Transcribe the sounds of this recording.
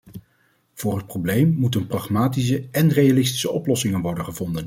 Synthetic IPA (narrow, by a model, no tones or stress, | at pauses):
v̥ʊːrɦət̚prowblejmːutənprɑχmaːtis̬əɛnrejalɪsti̥səɔplɔsɪŋənʋɔɹdənχəvɔndən